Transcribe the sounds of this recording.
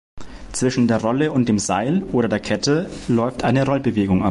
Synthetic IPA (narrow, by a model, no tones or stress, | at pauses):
t͡sv̥ɪʃn̩deːɐʁɔləʊnt̚d̥eːmzaɪlʔoːɾɐdeːɐkʰɛtʰəlɔʏftʔaɪnəʁɔlbəveːɡʊŋʔa̰